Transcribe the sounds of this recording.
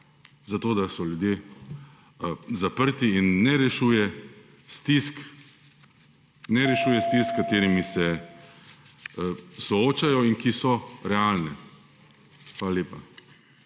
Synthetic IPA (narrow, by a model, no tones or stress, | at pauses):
zat̪oːd̪asɔljud̪je | zapəɾt̪iinːɛɾɛʃuːjɛ | st̪isk | nɛɾɛʃuːjɛst̪iskkat̪eːɾimisɛ | sɔoːt͡ʃajɔinkisɔɾɛalnɛ | xʋaːlalʲeːpa